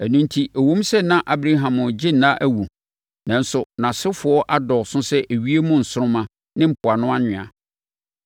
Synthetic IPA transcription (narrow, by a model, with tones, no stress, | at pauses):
æ˨nũ˦n˦tʰi˦ʔe˨wũ˦m˦sɛ˦nã˦ʔa˨bɾa˦ɦã˨mʊ̃˨d͡ʑɪ˦nã˦ʔæ˦wu˨ | nã˨n̩˦sʊ˨nã˨sɪ˦fʊ˨ɔ˦ʔa˦dɔ˨sʊ̃˦sɛ˦ʔæ˨ɥi˦e˦mũ˦n̩˨sʊ˦ɾʊ̃˦mã˦ | nɪ̃˦m̩˨pʰʊ˨a˨nʊ̃˦a˦ɲɪ̃˨a̰˨